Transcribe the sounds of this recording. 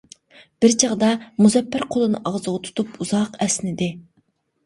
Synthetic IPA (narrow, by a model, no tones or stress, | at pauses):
b̥ɪɾt͡ʃʰɑʁd̪ɑmuzɛpʰːæɾqʰolˠɨnɨ̰ʔɑʁzʁɑt̪ʰu̥t̪ʰupuzɑqɛsnɪd̪ɪ